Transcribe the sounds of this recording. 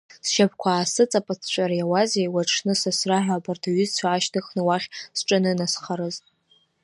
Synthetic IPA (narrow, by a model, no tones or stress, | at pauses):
sʃab̚ʰkʷʰaːsɨt͡sʼapʼat͡sʰt͡ʃʷʼaɾajawazejwaʈ͡ʂʰnɨsasraħʷᶣabartʰaɥʏzt͡ɕʷʰaːʃdɨχnɨwaχʲsʈ͡ʂʼɨnɨnasχaɾɨztʼ